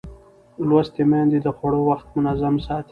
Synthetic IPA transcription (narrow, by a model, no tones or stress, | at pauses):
lwast̪emɛnd̪id̪əxwaɽowaxt̪mʊnazamsɑt̪